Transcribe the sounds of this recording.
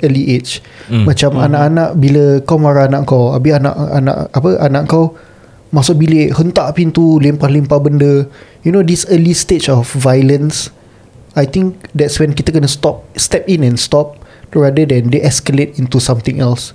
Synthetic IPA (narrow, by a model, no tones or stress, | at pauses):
ʔəliʔet͡ʃ | mat͡ʃamanaʔanaʔbiləkawmaɾaanaʔkawa̰biana̰ʔa̰na̰ʔapəʔanaʔkaw | masʊk̚bileʔhənt̪aʔpĩnt̪ulimpahlimpabəndə | junodisəlistet͡ʃɔfvajlə̃ns | ajt̪ĩŋk̚d̪ɛtswɛ̃nkit̪əkənəst̪ɔp̚st̪ɛpĩnɛ̃nst̪ɔp̚ɹadədɛ̃ndeʔɛskəlet̪̚ĩnt̪usãmt̪ĩŋʔɛls